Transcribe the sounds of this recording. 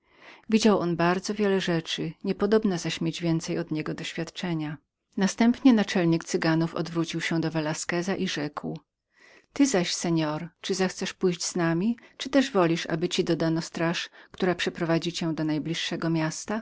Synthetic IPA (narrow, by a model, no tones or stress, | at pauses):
vʲid͡ʑawʔɔnbaɾd̪zɔvʲjɛlɛʐɛt͡ʂɘɲɛpɔd̪ɔbnazaɕmʲjed͡ʑvʲjɛnt̪sɛjɔd̪ɲɛɡɔd̪ɔɕfʲjat̪t͡ʂɛɲa | nast̪ɛmpɲɛnat͡ʂɛlɲikt̪sɘɡanufɔ̰d̪vɾut͡ɕiwɕɛd̪ɔvɛlaskɛzaʔiʐɛkw | t̪ɘzaɕsɛɲɔɾt͡ʂɘzaxt̪sɛʂpujʑd͡ʑz̥namʲit͡ʂɘt̪ɛʐvɔlʲiʂa̰bɘt͡ɕid̪ɔd̪anɔst̪ɾaʂkt̪uɾapʂɛpɾɔvad͡ʑit͡ɕɛ̃d̪ɔnajblʲiʂːɛɡɔmʲjast̪a